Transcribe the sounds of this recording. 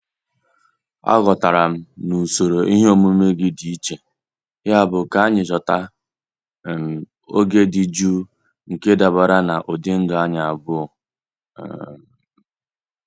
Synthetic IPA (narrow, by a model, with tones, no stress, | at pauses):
a̰˦ɣɔ˨ta˨ɾa˨m̩˦nu˨so˨ɾo˨ʔi˦ɦe˦o˦mu˦me˦ɡɪ˦di˨i˦t͡ʃe˨ | ja˦˨bʊ˨ka˨a˦ɲɪ˨t͡ʃɔ˨ta˦˨ | m̩˨ | o̰˦ɡe˦dɪ˨d͡ʒu˦ | ŋ̩˨ke˦da˨ba˨ɾa˦na˨ʔo˨dɪ˦n̩˦dʊ˨a˦ɲa˨a˨bʊ˦˨